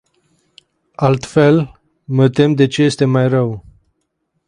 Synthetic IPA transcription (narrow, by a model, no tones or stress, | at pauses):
alt̪fe̞l | mət̪e̞md̪e̞t͡ʃeje̞st̪e̞majrəw